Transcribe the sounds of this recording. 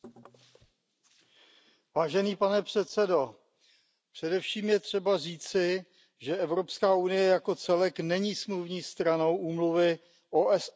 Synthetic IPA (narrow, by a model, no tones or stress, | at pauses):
vaːʒɛniːpanɛpr̝̥ɛt̪t͡sɛdo̞ | pr̝̥ɛdɛfʃiːmjɛt̪r̝̥ɛbariːt͡sɪ | ʒɛɛvɾo̞pskaːunɪjɛjako̞t͡sɛlɛknɛɲiːsmluvɲiːst̪ɾano̞wʔuːmluvɪ | ʔoːʔɛs